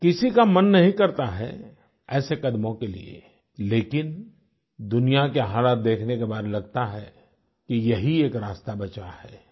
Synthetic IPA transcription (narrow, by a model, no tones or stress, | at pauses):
kɪsikamɐnːɐɦĩkɐɾt̪aɦɛ̰ | ɛːsekɐd̪mõkelḭḛ | leːkɪn | d̪ʊnijakeɦaːlaːt̪̚d̪eːkʰnekebaːd̪lɐɡ̚t̪aɦɛ | kijɐɦieːkɾaːst̪abɐt͡ʃahɛː